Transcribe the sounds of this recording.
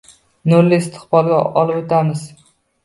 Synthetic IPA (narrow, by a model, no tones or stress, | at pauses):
nʊɾlɪɪst̪ʰɪ̥χbɒlˠɡʲaɒlˠɪpot̪ʰamɪz